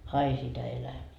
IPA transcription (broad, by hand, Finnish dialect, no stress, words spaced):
ɑi sitæ elæmiː